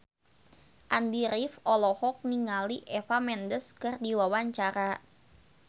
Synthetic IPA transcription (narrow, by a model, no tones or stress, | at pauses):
ʔandiɾifɔlɔhɔk̚niŋaliʔɛfamɛndəskɨrdiwawaɲt͡ʃaɾa